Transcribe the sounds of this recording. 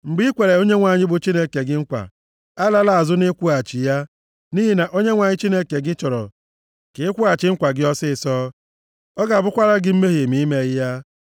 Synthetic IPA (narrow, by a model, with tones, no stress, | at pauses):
ŋ͡m̩˨ɡ͡bi˦i˦kʷe˨ɾe˨o˦ɲe˦ŋʷa˨ɲɪ˦bʊ˨t͡ʃi˦ne˦ke˨ɡɪ˦ŋ͡m̩˦kʷa̰˨ | a˦la˦la˨a˨zʊ˦nɪ˦kʷu˦a˨t͡ʃi˨ja˦ | ni˦ɦi˦na˨ʔo˦ɲe˦ŋʷa˨ɲɪ˦t͡ʃi˦ne˦ke˨ɡɪ˦t͡ʃɔ˨ɾɔ̰˨ | ke˨˦kʷu˦a˨t͡ʃɪ˨ŋ͡m̩˦kʷa˨ɡɪ˦ɔ˦sɪ˦˨sɔː˦ | ɔ˦ɡa˨a˨bʊ˦kʷa˦ɾa˦ɡɪ˦m̩˦me˦ɦi˨mi˦i˦me˨ɣɪ˦ja˦